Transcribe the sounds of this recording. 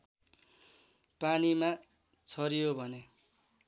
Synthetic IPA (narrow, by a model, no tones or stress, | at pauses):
panima | t͡sʰʌɾijobʱʌne